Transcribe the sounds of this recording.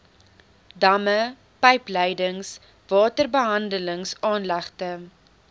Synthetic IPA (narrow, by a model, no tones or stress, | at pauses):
dɐmə | pɛjplɛjdəŋs | vɑːtərbəɦɐndələŋsɑːnlɐχtə